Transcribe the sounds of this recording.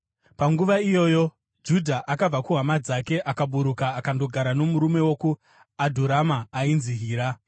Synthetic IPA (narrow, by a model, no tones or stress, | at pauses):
paŋɡuʋaijo̞ːjo̞ | d͡ʒudʱaʔakab͡vakuɦamad͡zake̞ʔakaɓuɾukaːkando̞ɡʱaɾano̞muɾume̞wo̞ku | adʱoɾamaːinziɦiːɾa